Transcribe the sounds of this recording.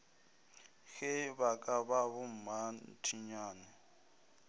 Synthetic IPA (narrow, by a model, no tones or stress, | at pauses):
ɣɪβakʼaβaβʊm̩mantʰiɲaːnɛ